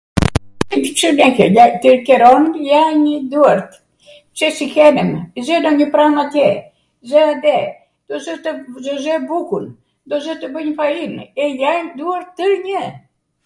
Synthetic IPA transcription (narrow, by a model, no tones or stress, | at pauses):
ɛd̪t͡ʃənɛkɛjat̪iɾkɛɾɔnjaɲəd̪uaɾt̪ | t͡ʃɛsikɛnɛmzɛdɔɲəpɾamat̪jɛ | zɛad̪ɛ | d̪̥ɔzɛt̪əzɔzɛbukun | d̪ɔzɛt̪əbəɲəfainɛjaɲd̪uaɾt̪ːəɲə